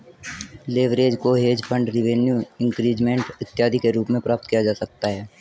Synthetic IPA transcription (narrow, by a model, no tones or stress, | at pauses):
leːʋɾeːd͡ʒkoɦeːd͡ʒpʰə̃ɳɖɾɪʋeːnjuɪ̃ŋkɾiːd͡ʒmẽɳʈɪt̪ːjaːd̪ʱikeɾuːpmẽpɾaːp̚t̪̚kijad͡ʒaːsɐk̚t̪aɦɛː